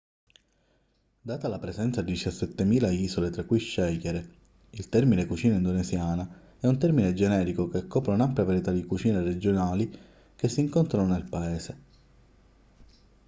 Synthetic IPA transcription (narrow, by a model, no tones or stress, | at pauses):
d̪aːt̪alapɾesɛnt̪sad̪id̪it͡ʃasːɛt̪ːemiːlaiːzolet̪ɾakːujʃːɛjɛɾe | ilt̪ɛrminekut͡ʃiːnaind̪onesjaːna | ɛunt̪ɛrmined͡ʒenɛːɾikokeakːɔːpɾaunampljavaɾjet̪ad̪ikut͡ʃiːnered͡ʒonaːli | kesːiŋkont̪ɾanonelpaeːse